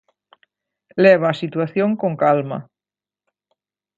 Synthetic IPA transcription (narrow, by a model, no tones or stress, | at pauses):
leβ̞aːsit̪waθjoŋkoŋkalma̰